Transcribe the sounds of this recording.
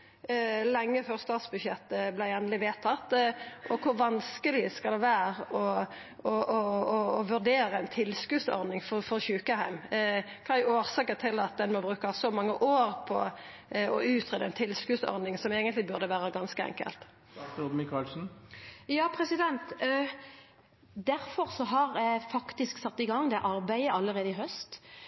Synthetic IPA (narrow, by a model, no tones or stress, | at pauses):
lɛŋːəføːʁst̪ɑːt̪sbʉdʃɛt̪ːəblæɪɛnəlɪʋeːt̪ʰɑt̪ːʔɔkʰʊɾʋɑnskəlɪskɑld̪ɛʋæːʁəɔ | ɔʔɔːʋʉʁɖ̪eːɾəɛɪnt̪ʰɪlskʉːsɔ̰ɾd̪ɪŋfɔfɔɾçʉːkəhæɪmkʰɑːoːʁsɑːkət̪ʰɪlɑt̪̚d̪ɛnmɔbʁʉːkɑsɔmɑŋːəʔoːɾpʰɔ̰ | ɔʉːt̪ʰɾeːd̪əɛnt̪ʰɪlskʉːsɔ̰ɾd̪nɪŋsɔmeːɡənt̪lɪbʉʁd̪əʋæːɾəɡɑnskəɛ̰ŋkə̰lt̪ | od̪mɪkʰɑːlsn̩jɑːpʰɾɛsɪd̪ɛnt̪ | d̪æɾfɔɾsɔɦɑɾfɑkt̪ɪsksɑt̪ːɪɡɑŋːd̪ɛʔɑɾbæɪəʔɑlːəɾeːd̪əɪɦœst̪